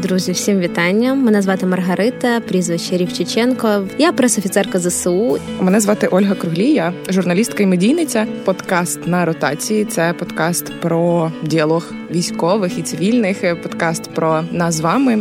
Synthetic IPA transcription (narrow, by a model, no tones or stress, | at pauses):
d̪ɾuzʲiwsʲimʋʲit̪ɑnʲːɐmːɪnɛzʋɑt̪ɪmɐrɦɐɾɪt̪ɐpɾʲizʋɪt͡ʃːɐɾʲiwt͡ʃɪt͡ʃɛnkɔjapɾɛsɔfʲit̪sɛrkɐzɐsumɛnɛzʋɑt̪ɪʔɔlʲɦɐkɾʊɦlʲijɐʒʊrnɐlʲist̪kɐimedʲijnɪt͡sʲɐpɔd̪kɑst̪nɐɾɔt̪ɑ̰t͡sʲijit̪sɛpɔd̪kɑst̪pɾɔdʲiɐlˠɔx | ʋʲisʲkɔʋɪxit̪sɪʋʲilʲnɪxpɔd̪kɑst̪pɾɔnɑsʋɑmɪ